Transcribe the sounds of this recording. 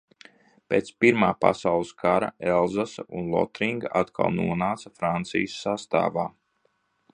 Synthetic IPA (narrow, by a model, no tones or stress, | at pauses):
pʲeːt̪spiɾmaːpa̰sawlˠɨskʰaɾa̰ɛlˠzasunlˠɔ̰t̪ɾiŋɡaʔat̪kʰa̰lˠnuɔnaːt̪safɾant̪sḭjəsːast̪a̰ːvaː